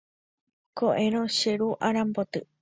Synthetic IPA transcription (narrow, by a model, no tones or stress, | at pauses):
koʔẽɾ̃õʃeɾuʔaɾãmbot̪ɨ